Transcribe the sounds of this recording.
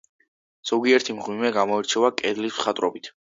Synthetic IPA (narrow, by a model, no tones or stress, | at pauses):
z̥ɔɡiɛɾt̪ʰimʁwimɛɡamɔɛɾt͡ʃʰɛvakʼɛd̪lisχat̪ʼɾɔbit̪ʰ